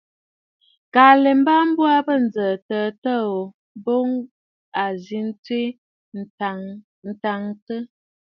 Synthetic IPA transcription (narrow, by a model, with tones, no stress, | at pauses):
kaː˨lɛ˨m˦ba˦m̩˦bwa˦bə˦˨n̩˨d͡zəː˨təː˨tə˦o˨ | bo˦ŋ | a˨zi˨˦n̩˦tɥi˦˨ | n̩˨ta˨ŋtə˦